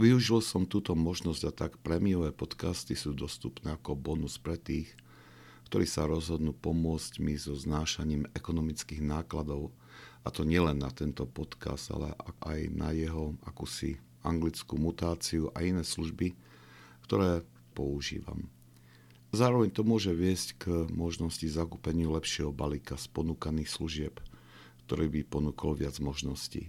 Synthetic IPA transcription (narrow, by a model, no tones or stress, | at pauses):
ʋiuʒilsɔmt̪uːt̪ɔmɔʒnɔzɟat̪akpɾɛmiɔʋɛːpɔt̪kast̪isuːd̪ɔst̪upnɛːakɔbɔnuspɾɛt̪iːx | kt̪ɔɾiːsaɾɔzɦɔd̪nuːpɔmʊɔt͡scmizɔznaːʃaɲiːmɛkɔnɔmit͡skiːɣnaːklad̪ɔʊ | at̪ɔɲɪɛlɛnːat̪ɛnt̪ɔpɔt̪ka̰zd̪a̰lɛ̰ʔʔajna̰jɛɦɔakuːsi | aŋɡlit͡skumut̪aːt͡siuʔa̰inɛːsluʒbi | kt̪ɔɾɛː | pɔuʒḭːʋa̰m | zaːɾɔʋɛɲt̪ɔmʊɔʒɛʋɪɛsckmɔʒnɔscizakuːpɛɲɪulɛpʃɪɛɦɔbalikaspɔnuːkaniːxsluʒɪɛp | kt̪ɔɾɛːbipɔnuːkɔlʋɪad͡zmɔʒnɔscḭ